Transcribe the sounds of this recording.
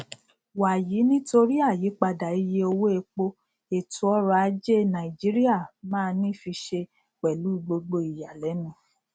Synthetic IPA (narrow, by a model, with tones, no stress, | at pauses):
wa˨ji˨˦nĩ˦to˧ɾi˦a˦˨ji˨˦k͡pa˧da˨i˧je˧˦o˧wo˦e˧k͡po˦ | e˨tu˨˦ɔ˦ɾa˧a˧˦d͡ʒe˦nã˨i˨d͡ʒi˦ɾi˦a˦˨mãː˦˧nĩ˦fi˧ʃe˧ | k͡pɛ˨lu˨˦˨ɡ͡bo˧ɡ͡bo˧i˨ja˨lɛ˨˦nũ˧˦